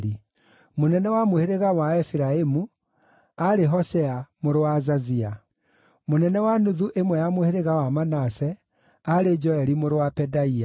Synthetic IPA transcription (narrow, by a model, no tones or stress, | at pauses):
ɾi | monɛnɛwamoheɾeɣawaɛfiɾaemu | aɾeɦɔʃɛamoɾowazazia | monɛnɛwanuðuʔemwɛjamoheɾeɣawamanasɛ | aɾed͡ʒɔɛɾimoɾowapɛdaia